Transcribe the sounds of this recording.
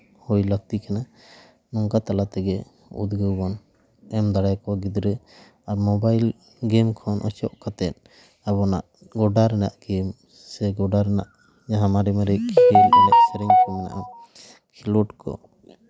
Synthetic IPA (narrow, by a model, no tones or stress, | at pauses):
hujlək̚t̪ikana | nɔŋkat̪alat̪ɛɡɛ | ṵd̪ɡəwbɔn | ɛmd̪aɽajkɔwaɡid̪ɾɛ | aɾmɔbajl | ɡɛmkʰɔnʔɔt͡ʃɔ̰ʔkat̪ɛt̪̚ | abɔnaʔ | ɡɔɖaɾɛnaʔɡɛm | sɛɡɔɖaɾɛnaʔ | d͡ʒaɦãmaɾɛmɛɾɛkʰilɛnaʔsɛɾɛɲkʰɔmɛna̰ʔa | kʰilɔʈkɔ̰